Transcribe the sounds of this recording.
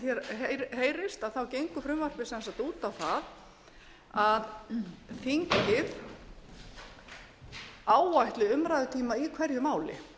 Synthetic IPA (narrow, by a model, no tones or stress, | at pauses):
θjɛɾɦeheːjɾɪst̪aðθawcejŋkʏfɾʏmvar̥pɪ̥sɛnsat̪uːt̪awθað | aðfiŋcɪð | aːwvajht̪lɪʏmɾajðʏt̪ʰiːmaikʰvɛɾjʏmaːwlɪ̰